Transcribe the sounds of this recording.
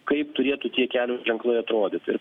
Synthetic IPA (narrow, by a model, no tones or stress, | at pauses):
kɐɪpt̪ʊɾʲeɛt̪ʊt̪ʲiɛkʲæːlʲʊʒʲɛŋklˠɐɪɐt̪ɾoːd̪ʲɪt̪ʲɪ̰ɾ